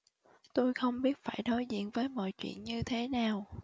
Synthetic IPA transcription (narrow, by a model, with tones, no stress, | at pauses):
t̪o˧jxə˧wŋ͡mɓi˦˥ət̚faː˧˩jnɔ˨˦jzḭ˧˨ənvəː˨˦jmɔ̰˧˨jt͡ɕwḭ˧˨ənɲɨ˧t̪ʰe˨˦naː˨˩w